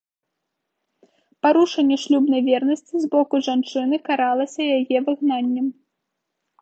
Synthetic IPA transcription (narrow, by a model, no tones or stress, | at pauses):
paɾuʂɐnʲːɛʂlʲubnɐjvʲɛrnɐsʲt͡sʲizbɔkuʐant͡ʂɨnɨkaɾalˠɐsʲɐjajɛvɨɣnanʲːɐm